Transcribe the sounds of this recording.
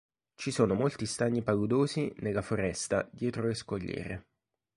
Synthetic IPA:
t͡ʃisoːnomolt̪ist̪aɲːipaɡud̪oːzinelːafoɾɛst̪a̰d̪jɛːt̪ɾoeskoʎːɛ̰ːɾe

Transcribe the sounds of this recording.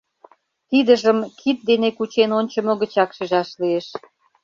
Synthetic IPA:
k̪id̪əʒəmkʰit̪̚d̪enekut͡ɕenonʲt͡ɕə̆moɣət͡ɕɑkʃiʒɑʃlieʃ

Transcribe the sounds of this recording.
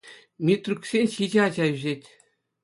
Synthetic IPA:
mʲit̪rʲuksʲenʲɕid͡ʑeɑd͡ʑɑyʑetʲ

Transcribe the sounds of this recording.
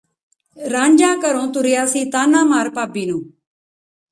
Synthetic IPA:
ɾaːɲd͡ʒaːkəɾõːt̪ʊɾɪjaːsiːt̪aːnaːmaːɾpaːbiːnũː

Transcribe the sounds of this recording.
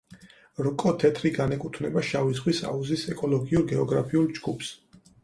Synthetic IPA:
ɾkʼɔt̪ʰɛt̪ʰɾiɡanɛkʼut̪ʰvnɛbaʃavisχwisa̰uzisɛkʼɔlˠɔɡiuɾɡɛɔɡɾapʰiulˠd͡ʒɡupʰs

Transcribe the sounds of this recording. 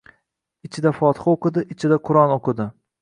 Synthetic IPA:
ɪt͡ʃʰɪd̪afɒt̪ʰɨ̥χaoqɨd̪ɪʔɪt͡ʃʰɪd̪aqʰʊɾɒnoqʰɨd̪ɪ

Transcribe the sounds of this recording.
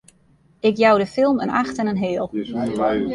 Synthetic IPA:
ɪkjawdəfɪlˠmə̰na̰xtɛnənɦɪːlˠ

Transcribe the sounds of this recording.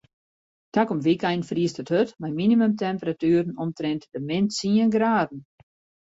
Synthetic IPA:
takɔmʋikɛjnfriəstəthøtmɛjminimømtɛmpəɾatyːɾən̩ɔmtrɛntdəmɪntsiənɡraːdn̩

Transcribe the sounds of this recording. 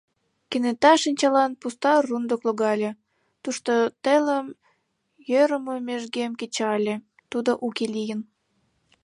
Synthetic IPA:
kenet̪ɑʃinʲt͡ɕɑlɑnpust̪ɑrund̪okloɣɑlʲe | t̪uʃt̪ot̪eləm | jøɾəməmeʒɡemket͡ɕɑlʲe | t̪ud̪oʔukelʲijən

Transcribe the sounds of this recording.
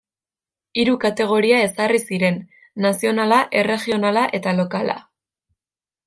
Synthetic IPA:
iɾukat̪e̞ɣ̞o̞ɾiae̞sarisiɾe̞nː | asio̞nalaʔe̞re̞ʝio̞nalaʔe̞t̪alo̞kala̰

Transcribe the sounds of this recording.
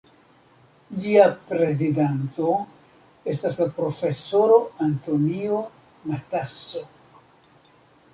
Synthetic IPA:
d͡ʒiapɾe̞zidanto̞ | e̞staslapɾo̞fe̞so̞ɾo̞anto̞nio | nataso

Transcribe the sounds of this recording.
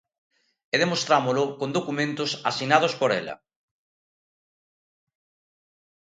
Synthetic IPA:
eðemost̪ɾamolʊkond̪okumẽnt̪ʊsasinaðospoɾɛlɐ̰

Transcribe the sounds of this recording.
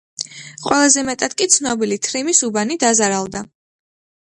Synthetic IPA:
qʼwɛlˠazɛmɛt̪ʼad̪̥kʼit̪sʰnɔbilit̪ʰɾimisubanid̪azaɾalˠd̪a

